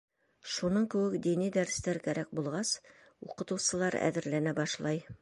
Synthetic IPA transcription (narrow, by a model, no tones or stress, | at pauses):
ʃunɤɴkʉ̆wɘkd̪inid̪æɾ̆st̪æɾkæɾæk̚bulˠʁɑs | uqɤ̆t̪uwsɤ̆lˠɑɾæ̰ðɘ̆ɾlænæbɒʃlˠɑj